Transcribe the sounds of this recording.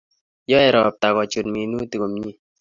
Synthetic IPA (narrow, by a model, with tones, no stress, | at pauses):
jɔ˦ɛ˨ɾɔ˨p̚ta˨kɔ˨t͡ʃo˨tmi˨nu˦ti˨ko˨mɲi˦